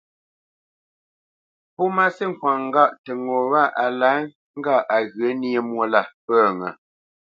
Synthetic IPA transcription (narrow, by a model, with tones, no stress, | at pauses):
pɔ˦ma˦si˦ŋ̩˨kwa˨ŋ˦ɡa˦˨ʔtə˨ŋo˨wa˦˨ʔa˨la˨˦ | ŋ̩˦ɡa˦˨ʔa˨ɣɰə˨˦ni˦e˦mwo˦la˦˨pə˦˨ŋə˨